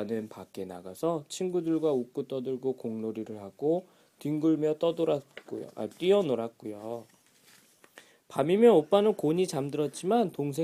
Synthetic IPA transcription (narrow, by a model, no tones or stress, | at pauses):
nɯnpak͈e̞na̰ɡasʰʌt͡ɕʰinɡudɯɭɡwauk͈ut͈ʌdɯɭɡokoŋnoɾiɾɯɭhaɡ̥o | tiŋɡɯɭmjʌt͈ʌdoɾat̚k͈ojo̰ʔa̰t͈ɥiʌnoɾat̚k͈ojo | pamimjʌnop͈anɯnkoɲit͡ɕamdɯɾʌt̚t͡ɕ͈imantoŋs̬ʰe